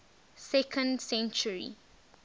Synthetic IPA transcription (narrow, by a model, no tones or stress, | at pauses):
sɛkʰə̃ndsɛ̃nt͡ʃuɹḭ